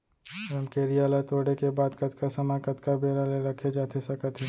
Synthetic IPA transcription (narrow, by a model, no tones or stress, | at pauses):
ɛmkeɾijaːlat̪oːɽekebaːd̪kɐt̪kasɐmakɐt̪kabeːɾaleɾɐkʰed͡ʒaːt̪ʰesɐkət̪ʰẽ